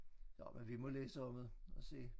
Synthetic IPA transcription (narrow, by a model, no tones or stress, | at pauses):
jɒ̰menʋimɒ̽leːsəɒ̽mð̩ˠɒ̽se̝̰ː